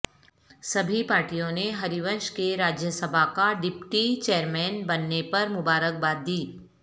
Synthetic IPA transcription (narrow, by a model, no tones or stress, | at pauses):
sɐbʱipaːɾʈijõneɦɐɾiʋə̃nʃkeɾaːd͡ʒjəsəbʱakaɖɪpʈit͡ʃeːɾmɛːnbɐnːepɐɾmʊbaːɾək̚baːd̪̚d̪iː